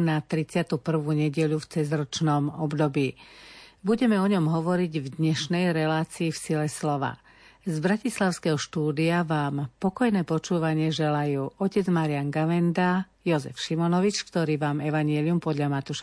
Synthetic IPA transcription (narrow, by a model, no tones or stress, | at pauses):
nat̪ɾit͡sɪat̪uːpr̩ʋuːɲɛɟɛʎuft͡sɛzɾɔt͡ʃnɔmɔbd̪ɔbiːbuɟɛmɛɔɲɔmɦɔʋɔɾiɟvd̪ɲɛʃnɛjɾɛlaːt͡siːfsilɛslɔʋa̰ | zbɾacislaʊskɛɦɔʃt̪uːd̪iaʋaːmpɔkɔjnɛːpɔt͡ʃuːʋaɲɪɛʒɛlajuːʔɔcɛd͡zmaɾɪanɡaʋɛnd̪a | jɔzɛ̰fʃimɔnɔʋit͡ʃkt̪ɔɾiːʋaːmɛʋaɲɪɛliumpɔd̪ʎamat̪uːʃa